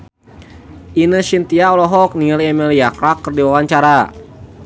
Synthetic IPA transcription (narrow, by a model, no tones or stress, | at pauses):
ʔinəsint̪iaɔlɔɦɔk̚niliɛmiliakɾakːərdiwawaɲt͡ʃaɾa